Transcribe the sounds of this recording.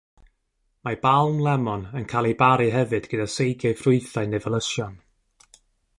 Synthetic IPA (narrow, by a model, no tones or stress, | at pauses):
mabalˠmlˠɛmɔnənkʰaːlˠibaɾɨɦɛvɨdɡ̥ədasejɡjaɨfrʊɨθaɨnevəlˠəsjɔn